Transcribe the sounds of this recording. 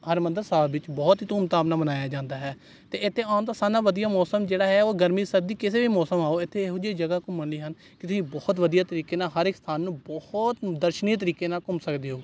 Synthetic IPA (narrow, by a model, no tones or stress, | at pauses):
həɾmənd̪əɾsaːbʋɪt͡ʃbɔːt̪ɦiːt̪ʊmt̪aːpnaːbənaːjaːd͡ʒãːnd̪aːɦɛː | t̪eːɪt̪ʰːeːãːnt̪aːsaːnaːʋəd̪ijaːmɔːsəmd͡ʒeːɽaːɦɛːoːɡəɾmiːsəɾ̚d̪iːkɪseːʋiːmɔːsəmaːoːɪt̪ʰːeːɦod͡ʒiːd͡ʒəɡaːkʊmːənliːɦən | kɪt̪ʊsĩːbɔːt̪ʋəd̪ijaːt̪əɾiːkeːnaːɦəɾɪkst̪ʰaːnːũːbɔht̪d̪əɾʃənieːt̪̬əɾiːkeːnaːkʊmsəkd̪eːɦoː